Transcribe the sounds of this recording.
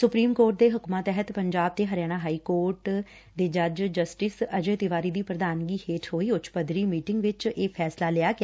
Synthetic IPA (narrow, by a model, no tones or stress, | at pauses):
sʊpɾiːmkoːɾʈ̚d̪eːɦʊkmaːt̪ɛɦət̪pəɲd͡ʒaːb̚d̪eːɦəɾjaːɽ̃aːɦaːiːkoːɾʈ | d̪eːd͡ʒəd͡ʒd͡ʒəsʈɪsəd͡ʒẽːt̪ɪʋaːɾiːd̪iːpɾəd̪aːnɡiːheːʈʰɦoːiːʊt͡ʃʰpəd̪ɾiːmiːʈɪŋɡʋɪt͡ʃeːpʰɛːslaːlɪjaːkː